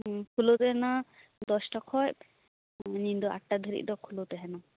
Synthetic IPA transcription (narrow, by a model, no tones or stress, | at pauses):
kʰulot̪ɛɦɛnad̪ɔsʈɔkʰɔj | nind̪ɔa̰ʈːad̪ʱəɾḭʔ̚d̪ɔkʰulot̪ɛɦɛna